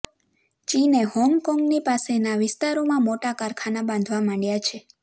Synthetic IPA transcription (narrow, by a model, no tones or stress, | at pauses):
t͡ʃinehɔmkɔŋɡnipasenaʋɪst̪aɾomãmoʈakaɾkʰanabãnd̪ʱʋamãɳjat͡ʃʰe